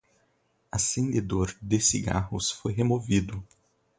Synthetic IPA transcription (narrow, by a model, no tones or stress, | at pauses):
asẽnd̪ed̪oɾd̪esiɡa̰hʊ̰sfojɦemovid̪ʊ